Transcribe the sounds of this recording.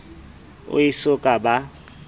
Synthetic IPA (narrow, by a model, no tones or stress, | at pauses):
ʊ̰isʊkʼaba